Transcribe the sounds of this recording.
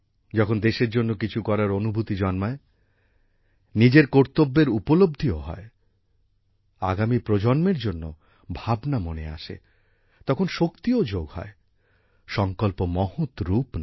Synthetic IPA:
d͡ʑɔkʰond̪eʃeɾd͡ʑonːokit͡ɕʰukɔɾaɾonubʱut̪id͡ʑɔnmae | nid͡ʑeɾkoɾt̪obːeɾupolob̚d̪ʱioɦɔ̰e | a̰ɡamipɾod͡ʑɔnmeɾd͡ʑonːo̰ | bʱabnamonḛa̰ʃḛ | t̪ɔkʰonʃokt̪iod͡ʑoɡhɔ̰e | ʃɔŋkolpomɔhot̪ɾupn

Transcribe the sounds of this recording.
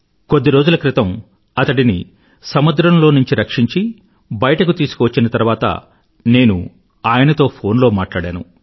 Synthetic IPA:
ko̞d̪ːiɾo̞ːd͡ʒulɐkɾit̪ɐm | ɐt̪ɐʈinḭ | sɐmud̪ɾɐmlo̞ːnuɲt͡ʃiɾɐkʂiɲt͡ʃi | bɐjɐʈɐkut̪iːsu̥kɔːʋɐt͡ʃːinɐt̪ɐɾʋaːt̪ɐ̰ | ne̞ːnṵ | aːjɐnɐt̪o̞ːpʰo̞ːnlo̞ːmaːʈlaːɽaːnṵ

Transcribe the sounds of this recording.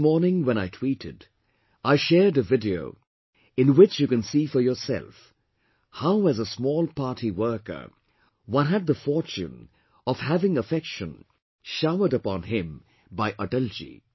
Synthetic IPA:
mɔɹnɪ̃ŋwɛ̃ñaɪtʰw̥iɾɪd | aɪʃɛɹdɨvɪdio̰ʊ | ɨ̃nwɪt͡ʃjɨkɨ̃nsifə˞jɔ˞sɛ̰lˠf | haʊɨzəsmɔːlˠpʰɑɹɾiwɜ˞kə̰˞ | wʌ̃nɦɨd̪̚ðəfɔɹt͡ʃṵ̃n | ʌv̥hævɪ̃ŋəfɛkʃə̃n | ʃaʊə˞ɾəpɑ̃nɪ̃m | baɪʔədʌlˠd͡ʒḭ

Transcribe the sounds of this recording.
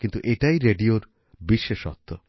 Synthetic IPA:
kint̪uʔeʈajɾeɖioɾ | biʃːeʃɔ̰t̪ʰːo

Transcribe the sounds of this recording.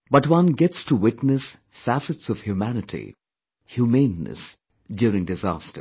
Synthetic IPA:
b̥ʌtwʌ̃nɡɛtstʰuwɪtnɨs | fæsɨtsɔv̥hjumænɨtʰḭ | hjumẽɪ̃nːɨ̰s | djʊːɾɪ̃ŋdɨzæ̰stə̰

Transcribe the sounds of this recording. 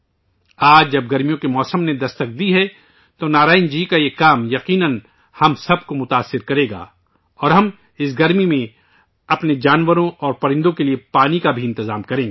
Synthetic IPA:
aːd͡ʒd͡ʒɐb̚ɡɐɾmijõkemɔːsəmned̪ɐst̪ək̚d̪iɦɛ | t̪onaːɾaːɪnd͡ʒiːkajekaːmjɐqiːnən | hɐmsɐb̚komʊt̪aːsːɪɾkɐɾẽːɡa̰ː | ɔːɾɦɐm | ɪs̬ɡɐɾmimẽ | ɐpned͡ʒaːnʋəɾõʔɔːɾpɐɾɪ̃nd̪õkeliepaːnikabʱiɪ̃nt̪ɪzaːmkɐɾẽːŋɡeː

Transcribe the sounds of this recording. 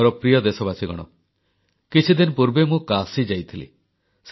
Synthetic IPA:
ɾɔpɾijɔd̪esɔbasiɡɔ̰ɽ̃ɔ̰ | kit͡ʃʰid̪inpuɾbemũkasid͡ʒajt̪ʰilḭ | s

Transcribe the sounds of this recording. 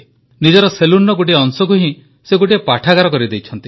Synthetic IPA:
nid͡ʒɔɾɔseluɾnːɔɡoʈieɔŋsɔkuɦĩ | seɡoʈiepaʈʰaɡaɾɔkɔɾid̪ejt͡ʃʰɔnt̪i

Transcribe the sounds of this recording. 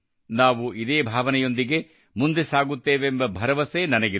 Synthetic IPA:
naːʋuid̪eːbʱaːʋɐnɛjo̞nd̪iɡe̞ | mund̪e̞saːɡut̪ːeːʋembɐbʱɐɾɐʋɐseːnɐnɐɡe

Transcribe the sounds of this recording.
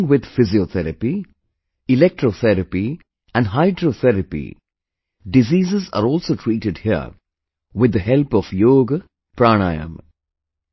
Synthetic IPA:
ŋʋɪd̪fɪziot̪ʰɛɾəpi | ɪlɛk̚ʈɾoːθʰɛɾəpi | æ̃nɖɦaɪɖɾoːθʰɛɾəpḭ | ɖɪziːzɪza̰ːɾɔːlsoːʈʰɾiːʈɪɖhiə̰ | ʋɪd̪ːəɦɛlpɔfjoːɡə | pɾaːña̰ɪə̰̃m

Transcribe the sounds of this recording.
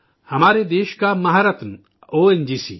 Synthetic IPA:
hɐmaːɾed̪eːʃkamɐɦaɾət̪n | oːend͡ʒiːsḭː

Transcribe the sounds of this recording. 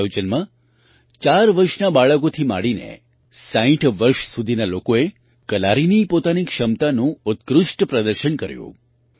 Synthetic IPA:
jod͡ʒənmã | t͡ʃaɾʋəɾʃnabaɭəkot̪ʰima̰ɽinḛ | saĩʈʰʋəɾʃsud̪ʱinalokoe | kəlaɾinipot̪anikʃəmt̪anũʊt̪kɾʊʃʈpɾəd̪əɾʃəɳkəɾjṵ̃

